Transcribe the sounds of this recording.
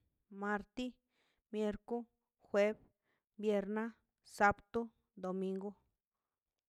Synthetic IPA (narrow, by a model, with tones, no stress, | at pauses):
mã˧ɾt̪i˦ | mje˧ɾku˦ | xwe˦b | bje˧ɾnã˦ | sa˦pt̪u˦ | d̪o˨mĩ˧ŋɡo˦